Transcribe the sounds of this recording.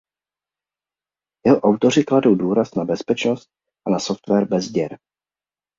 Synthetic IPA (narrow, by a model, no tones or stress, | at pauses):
jɛɦoʔawt̪o̞r̝ɪkladowduːɾasnabɛspɛt͡ʃno̞st̪̚ | ʔanasoft̪vɛɾbɛzdɛɾ